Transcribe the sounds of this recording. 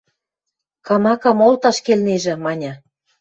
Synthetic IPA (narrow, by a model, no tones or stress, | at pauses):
kɑmɑkɑmolt̪ɑʃkelneʒĕmɑnʲɑ̆